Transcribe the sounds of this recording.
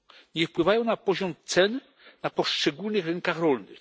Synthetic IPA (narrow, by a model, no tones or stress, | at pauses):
ɲɛfpwɘvajɔ̃w̃napɔʑɔmt̪sɛn | napɔʂt͡ʂɛɡulnɘxɾɘŋkaxɾɔlnɘx